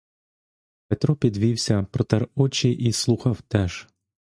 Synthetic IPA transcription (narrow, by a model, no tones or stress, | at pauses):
pet̪ɾɔpʲid̪ʋʲiwsʲɐpɾɔt̪ɛɾɔt͡ʃiʔislˠuxɐwt̪ɛʒ̥